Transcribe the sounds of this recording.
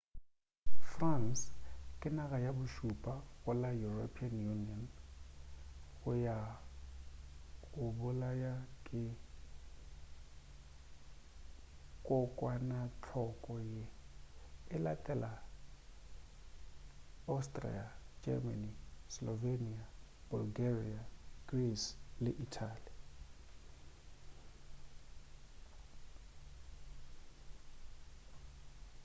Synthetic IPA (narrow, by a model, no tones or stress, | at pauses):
franskʼɪnaɣajabʊʃupʼaɣʊlajuropʰianjuniɔn | ɣʊja | ɣʊbʊlajakʼɪ | kʼɔkʼwanat͡ɬʰɔkʼɔje | ɛlakʼɛla | awstʼrḭad͡ʒɛ̰manislɔvenia | b̥ulɡeriaɡ̥rislɛʔitʰali